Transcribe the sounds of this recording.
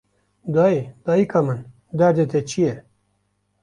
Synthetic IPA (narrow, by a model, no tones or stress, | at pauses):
d̪aːid̪̥aːikamən | d̪aɾd̪et̪et͡ɕʰije